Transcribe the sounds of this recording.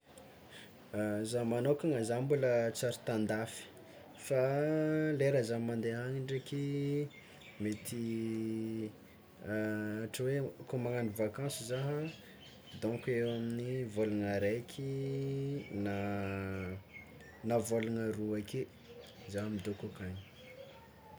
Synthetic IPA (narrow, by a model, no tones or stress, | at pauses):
zamanokʲaŋazambulət͡saɾi̥t̪ãnd̪afi̥ | fa | leɾazamand̪eɦaɲiɳɖ͡ʐeki | met̪ʰi | aʈ͡ʂəwekomaŋanivakãsizaɦə | d̪õŋkewaminivoluŋaɾekʲʰi | na | navoluŋəruake | zaɦmid̪okukaɲi̥